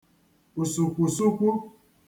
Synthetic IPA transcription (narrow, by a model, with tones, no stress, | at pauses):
o˨so˨kʷo˨so˦kʷu˦